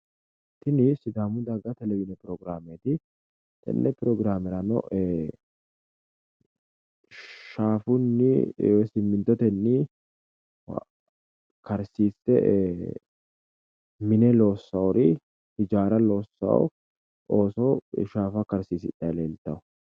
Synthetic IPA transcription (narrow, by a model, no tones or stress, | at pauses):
t̪ːɪnɪsɪd̪aːmʊd̪aɡɐt̪ɛlɛbɪnɛpɾɔɡɾaːmeːt̪ɪ | t̪ɛ̰nːɛpɪɾɔɡɾaːmɛɾɐnɔ̰ɛ | ʃaːfʊnːɪsɪmːɪnt̪ːɔt̪ɛnːi | kɐɾsiːsɛ | mɪnɛlo̞ːsːɐwɾɪ | hɪd͡ʒaːɾɐlo̞ːsːɐ̰w | ʔo̞ːsɔʃaːfɐkɐɾsiːsɪ̰ᶑɐleːlt̪ːɐwɔ